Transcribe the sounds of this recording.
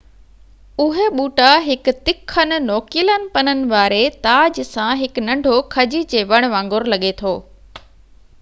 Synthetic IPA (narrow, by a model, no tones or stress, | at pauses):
ʊɦeɓuːʈaɦɪk̆t̪ɪkʰːənɪ̆nɔːkɪlənɪ̆pɐnənɪ̆ʋaːɾet̪aːd͡ʑsãɦɪknɐ̃ɳɖʱokʰɐd͡ʑid͡ʑeːʋɐɽ̃ʋãːŋɡʊɾlɐɠet̪ʰoː